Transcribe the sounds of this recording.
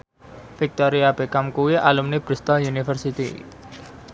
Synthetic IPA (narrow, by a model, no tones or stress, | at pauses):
fik̚t̪ɔɾiab̥ekamkuwiʔalumnib̥ɾist̪ɔjunifərsit̪ḭ